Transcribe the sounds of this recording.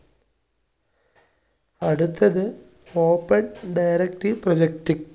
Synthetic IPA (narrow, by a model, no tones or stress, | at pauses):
ɐɽut̪ːɐðɨ | oːpːɐnɖɐjɾekʈiprod͡ʑek̚ʈi